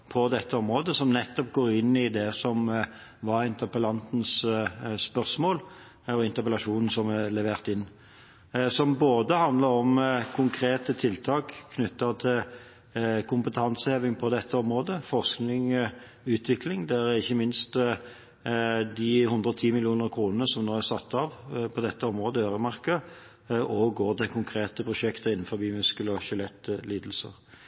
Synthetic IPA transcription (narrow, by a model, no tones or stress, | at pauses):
pʰɔd̪ɛt̪ːəɔmʁoːd̪əsɔmnɛt̪ːɔp̚ɡoːʁɪnːɪd̪ɛsɔm | ʋɑɾɪnt̪əʁpəlɑnt̪n̩sspœʁsmoːl | ɔɪnt̪əʁpəlɑʂuːnn̩sɔmɛlɛʋeːʁt̪ɪnː | sɔmboːd̪əhɑnd̪lɑɾɔmkʰʊŋkʰɾeːt̪ət̪ʰɪlt̪ʰɑːkʰːnʏt̪ːɑt̪ʰɪl | kʰʊmpət̪ʰɑnsəheːʋɪŋpʰɔd̪ɛt̪ʰːəɔmɾoːd̪əfɔʁsknɪŋ | ʉːt̪ʰʋɪklɪŋd̪ɛæɾɪçːəmɪnst̪ | d̪ɪhʉnd̪ʁəɔt̪ʰiːmɪlɪuːnəʁkʰɾuːnənəsɔmnoːæsɑt̪ːɑʋpʰɔd̪ɛt̪ːəɔmʁoːd̪əøːʁəmɑʁkə | ɔɡoːʁd̪ɛkʰʊŋkʰɾeːt̪əpʰɾʊʃɛkt̪əɪnːnfɔʁbiːmʉskəlɔʃʏlɛt̪ːliːd̪lsə̰ʁ